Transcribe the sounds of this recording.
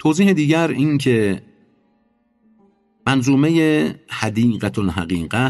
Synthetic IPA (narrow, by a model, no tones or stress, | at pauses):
t̪ʰoːziːhed̪iːɟæɾiːnkʰe | mænzuːmejehæd̪iːɢæt̪ʰolɦæ̰ɣiːɢæ